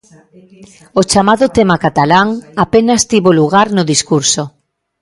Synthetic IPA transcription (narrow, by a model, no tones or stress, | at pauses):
ot͡ʃamaðʊt̪emakat̪alaŋapenast̪iβoluɣ̞aɾnʊðiskuɾso